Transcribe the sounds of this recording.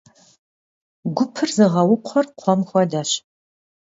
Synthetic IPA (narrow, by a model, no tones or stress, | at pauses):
ɡʷʊpʰɨrzɨʁɐwʊqʷʰɔrqʷʰɔmxʷɔdaɕ